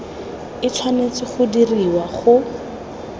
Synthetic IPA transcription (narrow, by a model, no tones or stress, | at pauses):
ɪt͡sʰwanet͡sɪχʊdiriwaχʊ